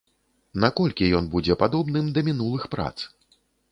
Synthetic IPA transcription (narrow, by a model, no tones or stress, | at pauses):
nakɔlʲkʲijɔnbud͡zʲɛpad̪ɔbnɨmd̪ɐmʲinulˠɨxpɾa̰t̪s